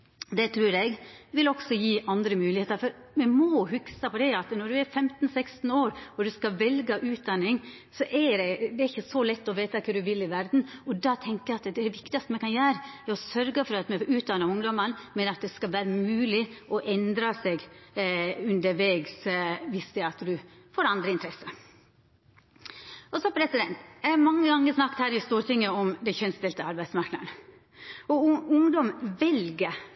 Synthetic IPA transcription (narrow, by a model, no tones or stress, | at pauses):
d̪ɛt̪ʰɾʉːɾɛɡʋɪlɔɡsɔjiːʔɑnd̪ɾəmʉːlɪheːt̪ɑɾfɔɾmɛmɔhʉksəpɔd̪ɛɑt̪nɔɖ̪ʉæɾfɛmt̪n̩sɛkst̪n̩oːɾɔd̪ʉskɑʋɛlɡəʔʉːt̪̚d̪ɑnːɪŋ | sɔʔɛɾɛd̪ɛːɾɪçːəsɔlɛt̪ːɔʋeːt̪ɑkʰəɖ̪ʉʋɪlːɪʋæɾd̪n̩ɔd̪ɑt̪ʰɛŋkəɛɑt̪d̪ɛd̪ɛʋɪkt̪ɪɑst̪əmɛkʰɑnjæːɾəɛɾɔsœɾɡəfɔɾɑt̪mɛʉːt̪̚d̪ɑnːəɾʊŋd̪ɔmɑnmɛnəɑt̪̚d̪ɛskɑlʋæːɾəmʉːlɪʔɔʔɛnd̪ɾɑsɛɡ | ʉnd̪əɾʋeːɡsʋɪst̪æɑt̪d̪ʉ | foːɾɑnd̪ɾəɪnt̪əɾɛsːə | ɔsɔpʰɾɛsɪd̪ɛnt̪ææmɑŋːəɡɑŋːəsnɑkːt̪hæːɾɪst̪uːɾt̪ɪŋːəɔmd̪ɛçœnst̪ɪlt̪əɑɾbæɪd̪smɑɾknə̰ɳə | ɔʊŋd̪ɔmʋɛlɡə